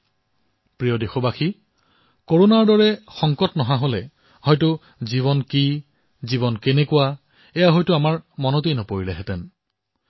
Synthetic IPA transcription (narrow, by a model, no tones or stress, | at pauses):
pɹijɔdexobaxi | koɹonaɹdɔɹɛxɔŋkɔtnɔɦãɦolɛ | hɔjtʊ | ziβɔnki | ziβɔnkenɛkʊwa | ɛjaɦɔjtʊamaɹmɔnotejnɔpoɹilɛɦɛtɛn